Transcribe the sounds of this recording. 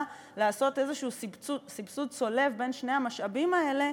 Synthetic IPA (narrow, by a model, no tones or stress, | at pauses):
laːso̞te̞zeʃuːsibt͡susibsud̚so̞le̞fbe̞nʃneamaʃabimaele̞